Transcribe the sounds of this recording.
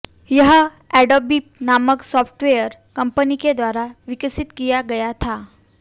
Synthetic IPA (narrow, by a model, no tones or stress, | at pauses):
jəɦə | ɛɖobiːp̚naməksɔpʰʈʋejəɾkəmpəniked̪ʋaɾaʋikəsit̪kijaɡɐjat̪ʰa